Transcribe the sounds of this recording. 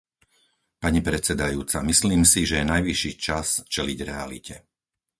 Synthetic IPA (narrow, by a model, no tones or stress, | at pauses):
paɲipɾɛt͡sɛd̪ajuːt͡samisliːmsiʒɛjɛnajʋiʃiːt͡ʃast͡ʃɛliɟɾɛalḭcʰɛ